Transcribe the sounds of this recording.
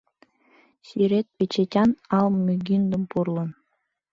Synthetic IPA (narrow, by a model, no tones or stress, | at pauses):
sʲyɾʲet̪̚pʲet͡ɕetʲɑnɑlˠmʲyɡʲind̪ɤ̆mpurlˠɤ̆n